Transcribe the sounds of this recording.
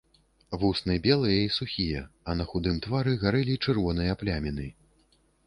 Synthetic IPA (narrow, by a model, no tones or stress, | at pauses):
vusnɨbʲɛlˠɨjɐisuxʲijɐɐnɐxud̪ɨmt̪vaɾɨɣaɾɛlʲit͡ʂɨrvɔn̪ɨjɐːplʲamʲinɨ